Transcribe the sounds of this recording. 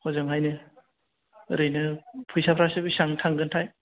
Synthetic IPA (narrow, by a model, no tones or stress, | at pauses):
hɔzɯŋɦajnɯ | ɾɯjnɯpʰɯjsapʰɾasɯbisaŋtʰaŋɡɯntʰaj